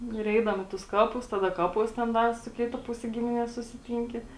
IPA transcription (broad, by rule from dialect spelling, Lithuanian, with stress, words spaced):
ˈnʊ ɪr ˈɛɪdɐʋoːm ɪ tʊs ˈkɑːpʊs ˈtɑːdɐ ˈkɑːpuɔs tʲɛn ˈdɐr sʊ ˈkʲɪtɐ ˈpʊsʲɛ ˈɡʲɪmʲɪnʲiɛs sʊsʲɪˈtʲiːŋʲkʲɪ